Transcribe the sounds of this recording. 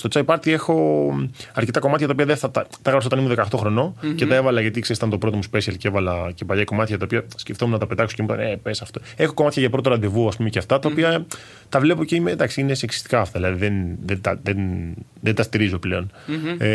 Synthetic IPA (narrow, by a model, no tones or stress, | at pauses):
st̪o̞t͡sɐipɐɾt̪ie̞xo̞ | ɐɾcet̪ɐko̞mɐt̪çɐt̪ɐopiɐðeθɐt̪ɐt̪ɐɣɾɐpsot̪ɐnimuðekɐot̪o̞xɾo̞no̞ce̞t̪ɐe̞vɐlɐʝɐt̪ikseɾst̪ɐnt̪opɾo̞t̪omuspe̞siɐlceevɐlɐcepɐʎɐko̞mɐt̪çɐt̪ɐopiɐsceft̪omunɐt̪ɐpet̪ɐkso̥cemut̪ɐ̰nepesɐft̪o | e̞xo̞komɐt̪çɐʝɐpɾo̞t̪oɾɐnd̪evuɐspumeceft̪ɐt̪ɐopiɐ | t̪ɐvle̞po̞ceimed̪ɐksiineseksi̥st̪i̥kɐːft̪ɐðilɐðiðenðet̪ɐðenðent̪ɐst̪iɾizo̞ple̞o̞n